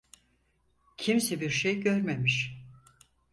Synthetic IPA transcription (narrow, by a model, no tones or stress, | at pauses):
cʰimsɛbiɾʃejɟøɾmemiʃ